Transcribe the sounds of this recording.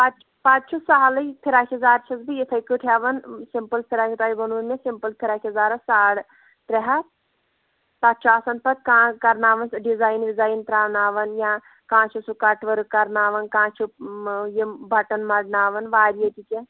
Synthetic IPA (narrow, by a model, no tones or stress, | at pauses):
pat͡ʃ | pãːt͡ʃt͡ʃʰusaɦɐlɐjp̪ʰiɾaːkʰʲɐzaːɾt͡ʃʰɐsbijit̪ʰɐjkuʈʰaːʋɐnsimpəlpʰiɾaːkʰʲit̪aːibɐnunmesimpəlpʰiɾaːkʰʲɐzaːɾɐsaːɽ | t̪ɾeɦɐt̪ | t̪at̪ːt͡ʃʰuaːsɐn̚pɐt̪̚kãːkɐɾnaːʋɐnsɖizaːjnʋizaːjnt̪ɾaːʋnaːʋɐnjãː | kãːt͡ʃʰusukɐʈʋɐɾɨkɐɾnaːʋɐnkãːt͡ʃʰujibɐʈɐnmɐɖnaːʋɐnʋaːɾijet̪ike